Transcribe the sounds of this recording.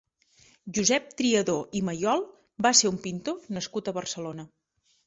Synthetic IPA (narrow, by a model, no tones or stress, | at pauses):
ʒuzɛp̚t̪ɾiəðoʔiməjɔlˠ | baseɾumpint̪onəskut̪əβərsəlonə